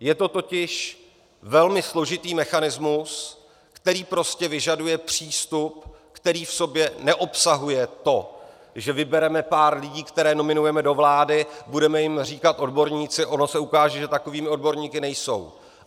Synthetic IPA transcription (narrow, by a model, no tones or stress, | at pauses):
jɛt̪o̞t̪o̞cɪʃ | vɛlmɪslo̞ʒɪt̪iːmɛxanɪzmus | kt̪ɛɾiːpɾo̞scɛvɪʒadujɛpr̝̥iːst̪upkt̪ɛɾiːfso̞bjɛnɛʔo̞psaɦujɛt̪o̞ | ʒɛvɪbɛɾɛmɛpaːɾlɪɟiːkt̪ɛɾɛːno̞mɪnujɛmɛdo̞vlaːdɪbudɛmɛjɪmriːkat̪ʔo̞dbo̞ɾɲiːt͡sɪʔo̞nosɛukaːʒɛʒɛt̪ako̞viːmɪo̞dbo̞ɾɲiːkɪnɛjso̞̰w